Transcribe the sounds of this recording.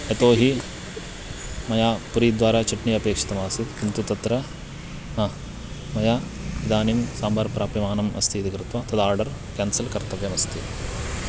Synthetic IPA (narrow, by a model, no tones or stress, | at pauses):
et̪oːɦi | mɐjaːpuɾiːd̪ʋaːɾaːt͡ʃɐʈniɐpeːkʂɐ̥t̪ɐmaːsit̪kint̪ut̪ɐt̪ɾɐ | nɐ | mɐjaːid̪aːnimsaːmbɐɾpɾaːpjɐmaːnɐmɐ̰st̪ʰit̪ikɾɪt̪ʋɐt̪ɐd̪aːɾɖɐɾ | kaːnsɐlkɐɾt̪ɐʋjɐmɐst̪ʰi